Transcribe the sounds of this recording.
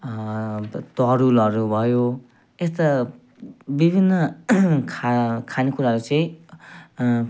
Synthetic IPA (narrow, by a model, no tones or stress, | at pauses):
t̪ʌɾulʌɾubʱʌjo | est̪ʌ | bibʱinːʌkʰakʰanikuɾaɦʌɾut͡sʌĩ